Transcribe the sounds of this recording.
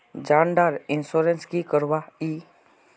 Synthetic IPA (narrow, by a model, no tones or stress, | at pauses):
d͡ʒãːɳɖaːɾɪnsoɾenskikəɾʋaiː